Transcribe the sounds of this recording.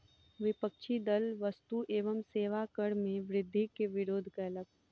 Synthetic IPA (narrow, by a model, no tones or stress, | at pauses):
ʋɪpəkʃid̪əlʋəst̪uʔeːʋəmseːʋakəɽmẽʋɾɪd̪ʱːikeʋɪɾoːd̪ʱkaləɡ̚